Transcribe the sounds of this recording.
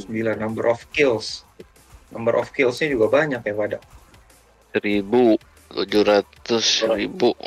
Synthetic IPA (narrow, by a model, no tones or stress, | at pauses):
səmbilanːambəɾʔɔfkɪls | nambəɾʔɔ̰fkɪlsɲad͡ʒuɡabaɲakjaŋpadaʔ | sɾibu | k̪ud͡ʒuɾat̪ʊsɾibuʔ